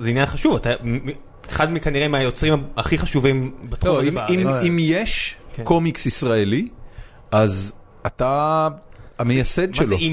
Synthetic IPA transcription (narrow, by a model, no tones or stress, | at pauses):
zeinjanχaʃuvat̪am | eχad̪mikaniʁemeajot͡sʁimaaχiχaʃuvimbat̪χlomimimjeʃko̞miksisʁaeli | ʔaz | ata | amejjased̪ʃelo